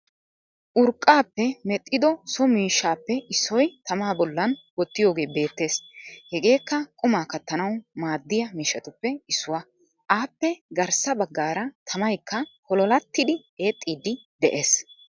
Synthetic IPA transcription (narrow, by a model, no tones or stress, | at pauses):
ʔʊɾkʼːaːpːɛmɛt̪ʼːɪd̪ɔsɔmiːʃːaːpːɛɪsːɔjt̪ɐmaːbɔlːɐnwɔt̪ːɪjo̞ːɡe̞ːbe̞ːt̪ːe̞ːshɛɡe̞ːkːɐkʼʊmaːkɐt̪ːɐnɐwmaːd̪ːɪjɐmiːʃːɐt̪ʊpːɛɪsːʊwɐ | ʔaːpːɛɡɐɾsɐbɐɡːaːɾɐt̪ʰɐmɐjkːɐhɔlɔlɐt̪ːɪd̪ɪ | eːt̪ʼːiːd̪ɪ | d̪ɛʔe̞ːs